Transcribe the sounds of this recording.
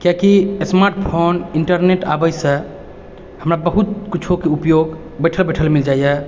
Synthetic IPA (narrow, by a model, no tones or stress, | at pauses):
kjakismaɾʈpʰoniɳʈəɾneʈa̰bəjsə̃ | həmɾabəɦut̪̚kit͡ʃʰokeupjoɡ | bəjʈʰəlbəʈʰəlmild͡ʒajɛ